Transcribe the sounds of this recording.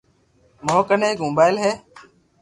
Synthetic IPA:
moːkəneːkmũːbaːɪlɦɛː

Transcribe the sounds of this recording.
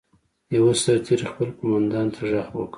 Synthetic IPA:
jawasaɾt̪ʰiɾixpəlkomɑnd̪ɑnt̪ʰaʐahwə̰kə

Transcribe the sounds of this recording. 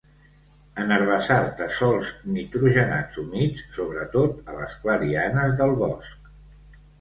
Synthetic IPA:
ənəɾβəsaɾt̪əsɔlˠzmit̪ɾuʒəna̰d͡zunit͡sːoβ̞ɾət̪ot̪ələskləɾianəzðəlˠβɔsk̚

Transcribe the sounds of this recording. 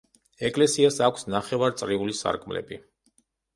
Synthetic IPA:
ɛkʼlɛsiasakʷʰsnaχɛvaɾt̪sʼɾiulisa̰ɾkʼmlɛ̰bi

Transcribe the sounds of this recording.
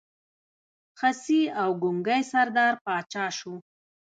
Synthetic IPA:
xasiawɡʊŋɡajsaɾd̪ɑɾpɑt͡ʃɑʃu

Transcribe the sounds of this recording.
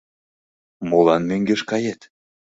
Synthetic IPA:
molɑnmøŋɡeʃkɑjet̪

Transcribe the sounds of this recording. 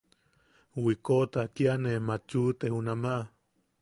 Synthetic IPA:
wikot̪akjanemat͡ʃut̪ehunamaʔ

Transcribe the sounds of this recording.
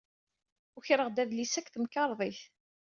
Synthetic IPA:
ʊçɾəʁd̪æðlisækːθəmkɑɾˤðˤiθ

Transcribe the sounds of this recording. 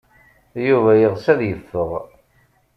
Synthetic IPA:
juvæjəʁsæðjəfːəʁ

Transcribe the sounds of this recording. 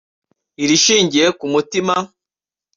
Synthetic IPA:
iɾiʃiːɲɟiɾekumutima

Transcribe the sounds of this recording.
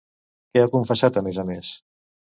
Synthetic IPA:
keakuɱfəsat̪əmɛzəmes

